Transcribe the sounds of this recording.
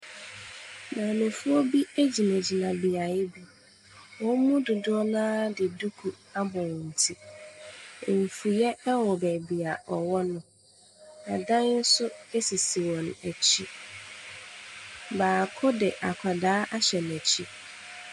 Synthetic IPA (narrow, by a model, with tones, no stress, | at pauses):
nã˨nʊ̃˨fʊ˦ɔ˦bi˦e˦d͡ʑi˨mæ˨d͡ʑi˨nã˨bi˨a˨jɪ˦bi˨ | wɔ˦mũ˦dʊ˨dʊ˦ɔ˦nãː˦dɪ˨du˦kʰu˨ | a˦bɔ̃˨n̩˨tʰi˦˨ | m̩˨fu˨jɛ˦wɔ˨bæ˨bi˨a˨ʔɔ˨wɔ˦nʊ̃˨ | nã˨dã˦n˦n̩˦sʊ˦e˦si˨si˨wɔ̃˨næ˨t͡ɕʰi˦ | baː˨kʰʊ˦dɪ˨ʔa˨kʰa˨daː˦ʔa˦ɕɛ˨næ˨t͡ɕʰi˦